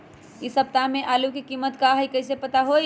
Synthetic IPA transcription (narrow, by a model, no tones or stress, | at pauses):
isəp̚t̪ameʔaːlukikimət̪kaɦəjkəɪsepət̪aɦo